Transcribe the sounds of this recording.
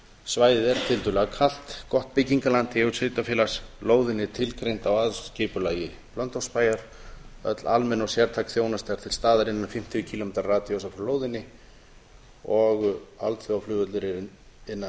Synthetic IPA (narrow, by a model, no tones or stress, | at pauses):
svaːjðɪðɛɾt̪ʰɪlt̪ʏlɛɣakʰal̥t̪kɔht̪̚pɪciŋkalant̪ɪɛʏseːt̪afɪːlasloːwðɪnːɪt̪ʰɪlkɾejnt̪awaðscɪːpʏlaːjɪ | plœnt̪owspaːjaɾ̥œ̰t̪lalmɛnɔɣsjɛɾt̪ʰaːkθjoːwnast̪aaɾ̥t̪ʰɪlst̪aːðaɾɪnːanfɪm̥t̪ʰɪʏcʰilomeːt̪aɾːaːt̪jowsafɾʏloːwðɪnːɪ | ɔɣa̰lt̪θʏaflʏːvʏt̪lɪɾɪ | ɪnːa